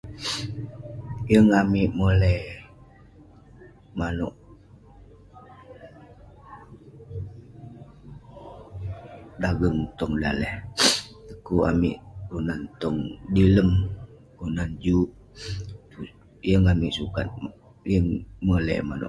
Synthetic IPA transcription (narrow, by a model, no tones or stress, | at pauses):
jəŋamiʔmolɛ | manɔ̰ʔ | daɡəŋt̪ɔŋda̰lɛh | əkua̰mḭʔunant̪ɔŋdiləm | unand͡ʒuʔ | u | jəŋamiʔsukat̪̚ | jəŋmolɛ̰manɔ̰ʔ